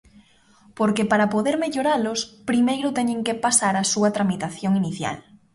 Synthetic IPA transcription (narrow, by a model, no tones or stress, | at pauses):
poɾkepaɾapoðeɾmeʎoɾalʊspɾimejɾʊt̪ɛɲẽŋkepasaɾasuɐt̪ɾamit̪aθjoŋiniθja̰l